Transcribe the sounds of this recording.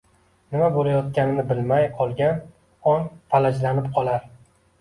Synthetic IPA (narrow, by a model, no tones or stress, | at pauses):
nɪmabolajɒt̪̚kʲanɪnɪbɪlmajqʰɒlˠɡʲan | ɒnpʰalad͡ʒlanɪp̚qʰɒlˠaɾ